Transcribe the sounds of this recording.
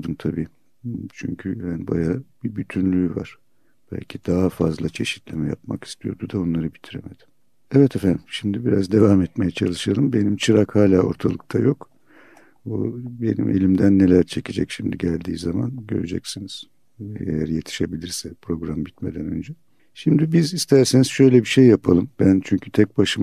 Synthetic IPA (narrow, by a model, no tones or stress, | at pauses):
d̪ɯmt̪ʰabiː | t͡ʃʰy̰ɲcʰyhaniba̰jab̥ibyt̪ʰynlʲyːva̰ɾ̥ | b̥æ̰lʲcʰid̪aɦafazlˠat͡ʃʰe̞ʃi̥t̪lʲemɛja̰pma̰ki̥st̪ʰijo̞̰d̪ud̪ao̞nlˠaɾɯbit̪ʰiɾḛme̞d̪̥i̥m | ɛvɛt̪ʰefænd̪mʃimd̪ibiɾazd̪e̞vamɛt̪me̞jɛt͡ʃʰalˠɯʃalˠɯmbe̞nimt͡ʃʰɯɾakhaːlʲaːo̞̰ɾt̪ʰalˠɯk̚t̪ʰajo̞k | o̰be̞̰nḭmʔḛlʲimd̪ænːe̞lʲæɾt͡ʃʰe̞cid͡ʒɛ̰cʃimd̪iɟælʲd̪iːzama̰nɟø̞̰ɾed͡ʒɛ̰csiniz̥ | eḛjæɾje̞t̪ʰi̥ʃe̞bilʲiɾsɛpɾo̞ɡɾambit̪me̞d̪ænø̞̰nd͡ʒɛ | ʃimd̪ibizist̪ʰæɾsenizʃø̞jlʲɛbiʃejːapʰalˠɯmbænt͡ʃʰyɲcʰyt̪ʰɛc̚baʃɯm